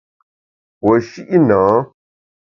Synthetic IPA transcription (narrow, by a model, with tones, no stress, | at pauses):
wə˨ʃi˦ʔi˦nãː˨˦